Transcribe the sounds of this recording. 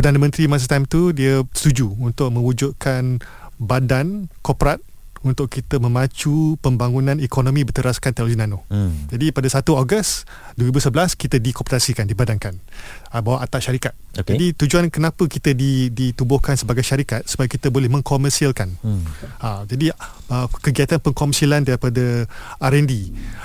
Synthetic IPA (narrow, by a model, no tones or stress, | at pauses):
pərdanə̃mə̃nt̪ɾimas̬ət̪ajmt̪udiəst̪ud͡ʒuunt̪ʊk̚mə̃wud͡ʒʊd̪̚kʰanbadankɔpɾat̪̚ | unt̪ʊʔkːit̪əmə̃mãt͡ʃupəmbaŋunãnikonõmĩbərt̪əɾaskant̪ɛoloɡinãnod͡ʒadipadasat̪uoɡəs | dwəɾibusəblaskit̪ədikoptasikandibadankan | bawaʔat̪aʔʃaɾikat̪̚kd͡ʒadit̪ud͡ʒuankənãpəkit̪ədidit̪ubʊhkansəbaɡajʃaɾikat̪̚sə̥bajkit̪əbolɛhmə̃ŋkomərsialkan | əd͡ʒadi | əkəɡiat̪anpəŋkɔməsalandaɾipadəaɾɛndi